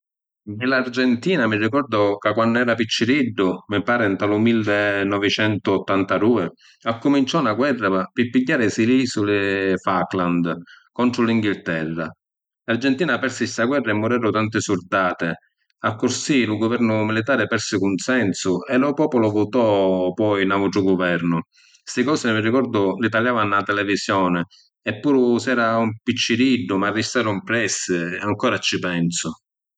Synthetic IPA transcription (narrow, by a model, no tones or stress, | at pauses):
nɪlard͡ʒɛnt̪iːnamɪrːikɔrd̪ʊkakːwanːʊɛːɾapit͡ʃːɪɾiɖːʊmɪpaːɾɪnt̪alʊmilːnːɔvɪt͡ʃɛnt̪ʊːt̪ːant̪ad̪uːɪ | akːʊmint͡ʃɔnaɡwɛrːapɪpːiɟːaːɾɪsiliːsulɪfakland̪kɔnt̪ɾʊliŋɡilt̪ɛrːa̰ | lard͡ʒɛnt̪iːnapɛrsɪst̪aɡwɛrːaɛmːʊɾɛːɾʊt̪ant̪ɪsurd̪aːt̪ɪ | akːʊɾsilʊɡʊvɛɾnʊmilit̪aːɾɪpɛɾsɪkunsɛnsʊɛlʊpɔːpʊlʊvʊt̪ɔpɔjnauʈ̪ɾʊɡʊvɛɾnʊ | st̪ɪkɔːsɪmirːikɔɾd̪ʊlit̪aljaːvanːat̪ɛlɛvisjɔːnɪ | ɛpːuːɾʊsɛːɾaumpit͡ʃːiɾiɖːʊmarːist̪aːɾʊumpɾɛsːɪaŋkɔːɾat͡ʃipɛnsʊ